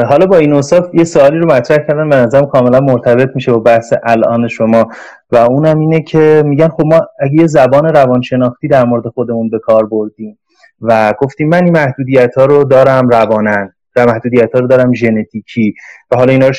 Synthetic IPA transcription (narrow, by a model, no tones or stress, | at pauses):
ɦɒːlɒbɒːinost̪ɒːfjesoɒːliːɾomæt̪ʰɾæhcʰæɾd̪ænbenæzæɾæmkʰɒːme̞lænmoɾt̪ʰæbe̞t̪ʰmiːʃe̞bɒːbæhseʔælʔɒ̰ːne̞ʃo̞mɒː | væuːnæmiːnecʰe̞miːɟænxo̞bmɒːæɟe̞jezæbɒːne̞ɾævɒnʃe̞nɒːxt̪iːd̪æɾmoɾed̪e̞xod̪e̞munbe̞kʰɒːɾboɾd̪iːm | væɡo̞ft̪iːmːæninmæhd̪uːd̪ijæt̪ʰɒːɾod̪ɒːɾæmɾævɒːnæn | væmæhd̪uːd̪ijæt̪ʰhɒːɾod̪ɒːɾæmʒe̞net̪ʰiːcʰiːvæɦɒːlɒiːnɒːɾo